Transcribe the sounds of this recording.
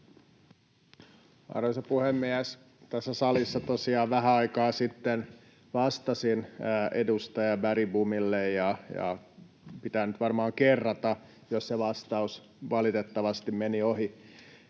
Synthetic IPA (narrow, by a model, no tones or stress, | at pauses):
ɑ̰rosɑpuhemːiæs | t̪æsːæsɑlisːɑt̪osiɑːʋʋæɦæɑikɑːsit̪ːen | ʋɑst̪ɑsinːedust̪ɑjɑʋæɾibumilːejjɑjɑ̰ | pit̪ænyt̪ʋɑrmɑːŋkerːɑt̪ɑ | josseʋɑst̪ɑus | ʋɑlit̪et̪ːɑʋɑst̪immenioɦi